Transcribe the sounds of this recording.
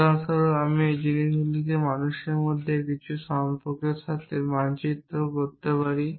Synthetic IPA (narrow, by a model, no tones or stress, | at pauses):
asaɾoamid͡ʑininulik̪emanuʃeɾmod̪ʱːekit͡ɕʰuʃampokeɾʃat̪ʰemant͡ɕit̪ːɾokoɾt̪epaɾi